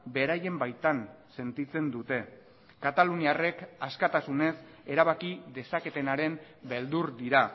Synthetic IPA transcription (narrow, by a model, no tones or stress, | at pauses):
be̞ɾaje̞mbajt̪anse̞nt̪it͡se̞nd̪ut̪e̞ | kat̪aluniare̞kaskat̪asune̞se̞ɾaβakiðe̞sake̞t̪e̞naɾe̞m | be̞ld̪uɾd̪iɾa